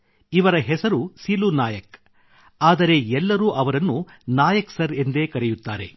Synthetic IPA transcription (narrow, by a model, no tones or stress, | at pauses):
iʋɐɾɐɦɛsɐɾusilunaːjɐk | aːd̪ɐɾe̞ɛlːɐɾuːʔɐʋɐɾɐnːunaːjɐksɐɾend̪e̞ːkɐɾejut̪ːa̰ːɾe̞̰